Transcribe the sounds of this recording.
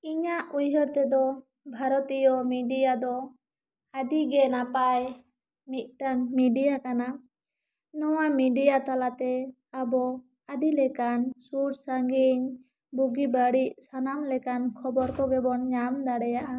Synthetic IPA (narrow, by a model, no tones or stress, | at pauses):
iɲaʔujɦəɾt̪ɛd̪ɔ | bʱaɾɔt̪ijɔmiɖijad̪ɔ | ad̪iɡɛnapaj | mit̪̚ˀʈaŋmiɖijakana | nɔwamiɖijat̪alat̪ɛ | abɔ | ad̪ilɛkansuɾsaŋɡiɲ | buɡibaɽiʔsanamlɛkankʰɔbɔɾkɔɡɛbɔnɲamd̪aɽɛjaʔa